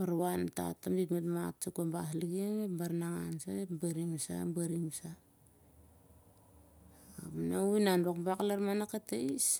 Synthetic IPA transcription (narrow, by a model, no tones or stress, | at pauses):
baɾβanta̰tambikmetmatt͡ʃakabasliɡiŋebaɾnaŋansa̰epbaɾiŋsa̰baɾiŋsa | apanainanbakbaklaɾmanakateis